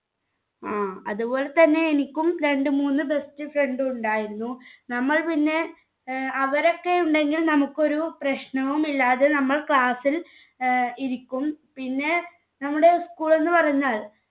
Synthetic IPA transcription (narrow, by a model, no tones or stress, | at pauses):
aːɐðubo̞ːle̞t̪ɐnːe̞ːnikʲːumɾe̞ɳɖɨmuːnːɨbe̞stɨfre̞ɳɖɨuɳɖaːjiɾunːunɐmːɐɭpinːe̞ | ɐʋɐɾo̞kːe̞juɳɖe̞ŋɡilnɐmukːo̞ɾuprɐɕɳɐʋumilːaːðenɐmːɐɭkɭaːsil | iɾikʲːumpinːe̞ | nɐmːuɽe̞skuːɭe̞nːɨpɐrɐɲːaːɭ